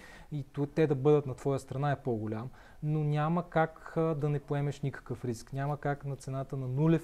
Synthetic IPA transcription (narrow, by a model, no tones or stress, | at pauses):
it̪t̪ɛd̪ɐbɤd̪ət̪nɐt̪v̥ɔjəst̪ɾɐnaɛpoɡolʲam | nonʲaməkakd̪ɐnɛpoɛmɛʃnʲikə̥kəfɾisknʲamɐkaknɐt̪sɛnat̪ənɐnulɛ